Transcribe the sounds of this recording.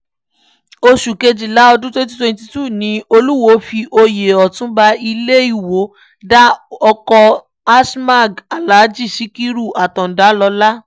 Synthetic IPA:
o˧ʃu˨ke˧d͡ʒi˨la˨˦ɔ˧dũ˦twɛ̃˦t̬i˦twɛ̃˧nti˧tu˦˨nĩ˧˦o˧lu˦wo˧˦fi˧ʔo˧je˨ɔ˨tũ˦ba˧i˧le˦i˦˨wo˨˦ | da˦ɔ˧kɔ˧ | a˦sma˦˨ɡa˨la˨˦d͡ʒi˦˨si˨˦ki˦ɾu˦˨a˨tɔ̃˨n̩˨da˨˦lɔ˧la˦

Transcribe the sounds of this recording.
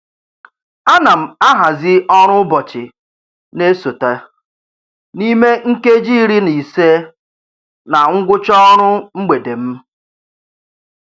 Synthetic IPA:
a˦na˨m̩˨a˦ɦa˨zɪ˦ɔ˦ɾ̃ʊ˦bɔ˨t͡ʃɪ˨ | ne˦so˨ta˨ | ni˦me˦ŋ̩˦ke˦d͡ʒi˦ɾi˦ni˨se˦ | na˨ŋ̩˦ɡʷʊ˦t͡ʃɔ˦ɾʊ˦ŋ͡m̩˦ɡ͡be˨de˨m̩˦

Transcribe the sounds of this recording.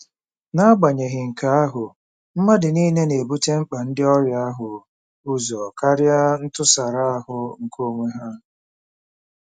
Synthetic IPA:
na˦a˦ɡ͡ba˨ɲe˨ɦɪ˨ŋ̩˨ka˨a˦ɦʊ˨ | m̩˦ma˦dɪ˨niː˦ne˦ne˨bu˦te˦ŋ͡m̩˦k͡pa˨n̩˦dɪ˦ɔ˦ɾja˦a˦ɦʊ˨ | ʊ˦zɔ˨ka˦ɾja˦n̩˦tʊ˦sa˨ɾa˦a˦hʊ˨ŋ̩˨kʰo˦˨ŋʷe˦ɦa˦

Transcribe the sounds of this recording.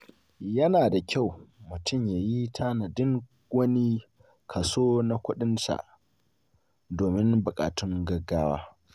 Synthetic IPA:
jɐ˦naː˨da˨kʲa˦˨wmʊ˨tʊ˦˨mjaː˨ji˦tʰaː˦na˨dɪ˦ŋ | ɡʷɐ˦niː˦ | kʰa˨soː˦na˦kʷʊ˦ɗɪ˦nsa̰˨ʔ | doː˨mɪ˦nbʊ˨kʼa̰ː˨tʊ˦ŋɡɐ˦ɡaː˦wa̰ː˦

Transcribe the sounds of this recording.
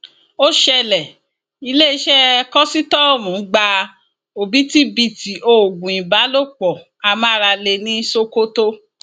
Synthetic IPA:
o˦ʃɛ˧lɛ˨ | i˧le˦i˧˦ʃɛ˦kɔ˦si˦tɔ˦o˦˨mũ˨˦ɡ͡ba˧ | o˨bi˨˦ti˦bi˧˨ti˨ʔo˧˨ɡũ˨ĩ˨ba˨˦lo˦˨k͡pɔ˨ | a˨mã˦˧ɾa˧le˧nĩ˦so˦ko˦to˦

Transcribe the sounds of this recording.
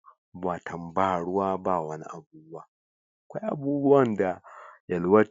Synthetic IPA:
ba˨tʰɐ˨mba˦˨ɽʊ˦waː˦ba˦˨wɐ˦ni˦ʔa˨buː˦bwa˦˨ | kʷa˦ʔa̰˦˨buː˦bu˦wa˦nda˨jɐ˨lwa˦

